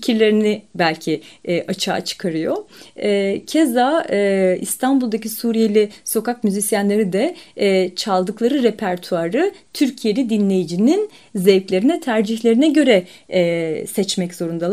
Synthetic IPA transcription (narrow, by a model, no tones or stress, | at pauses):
cʰiɾlʲe̞ɾinibælʲcʰiʔat͡ʃʰa̰ːt͡ʃʰɯ̥kʰaɾɯjo̞ɛːcʰeza | ḭst̪ʰanbulˠd̪acisuːɾije̞lʲiso̞kakmyzisjanlʲe̞ɾid̪ɛ | t͡ʃʰalˠd̪ɯklˠaɾɯɾepʰæɾt̪ʰuaɾɯt̪ʰyɾcʰije̞lʲid̪inlʲe̞jid͡ʒinin | zejplʲe̞ɾinɛt̪ʰæɾd͡ʒiçlʲe̞ɾinɛɟø̞ɾɛ | sɛt͡ʃmɛczo̞ɾund̪a